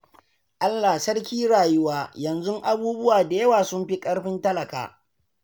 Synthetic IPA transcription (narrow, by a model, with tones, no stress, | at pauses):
ʔa˦lːa˨sɐ˦rkʲiː˦ɽaː˨jʊ˦waː˦jɐ˨nzʊ˦ŋʔa˦buː˦bʊ˦waː˨da˨jɐ˦waː˨sʊ˦mɸi˦kʼɐ˦ɽɸɪ˦ntɐ˦lɐ˨ka̰ː˨